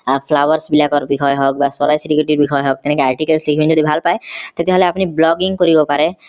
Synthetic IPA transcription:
pʰlawaɾsbilakɔɾbikʰɔjɦɔk̚basɔɾajsiɾikɾiʈiɾbikʰɔjɦɔk̚t̪enekeaɾʈikelslikʰibind͡ʒod̪ibʱalpaet̪et̪ɛɦɔleapniblɔɡiŋkoɾibɔpaɾe

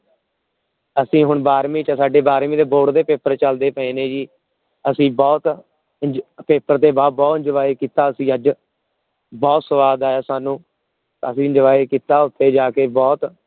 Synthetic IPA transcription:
əsĩːɦʊɳbaːɾmĩːt͡ʃəsaːɖeːbaːɾmĩːd̪eːboːɖd̪eːpeːpəɾt͡ʃəld̪eːpə̃ẽːnẽːd͡ʒiː | əsĩːbɔːt̪ | peːpəɾt̪eːbaːbɔːt̪d͡ʒəʋaːeːkiːt̪aːəsĩːəd͡ʒ | bɔːt̪səʋaːd̪aːjaːsaːnũː | əsĩːd͡ʒəʋaːeːkiːt̪aːʊt̪ʰːeːd͡ʒaːkeːbɔːt̪

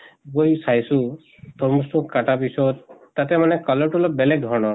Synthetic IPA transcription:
bojsajsu | t̪ʰɔɾmustukaʈapisɔt̪ː | at̪ɛmanɛkɔlɔɹʈulɔbelek̚d̪ʱɔɽ̃ɔ

